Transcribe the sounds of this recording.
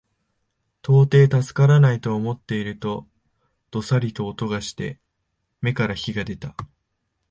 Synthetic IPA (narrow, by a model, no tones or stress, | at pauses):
t̪o̞ːt̪e̞ːt̪asɨ̥kaɾanait̪o̞ːmo̞t̪ːe̞iɾɯ̟t̪o̞ | d̪̥o̞saɾʲit̪o̞ːt̪o̞ɡaɕi̥t̪e̞̰ | me̞kaɾaçiɡad̪e̞t̪a